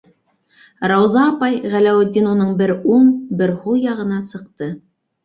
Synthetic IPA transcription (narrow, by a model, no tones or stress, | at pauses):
ɾɑwzɑːpɑjʁælæwɘ̆d̪ʲːinunɤɴbɘɾuɴbɘɾhulˠjɑʁɤ̆nɑsɤ̆qt̪ɤ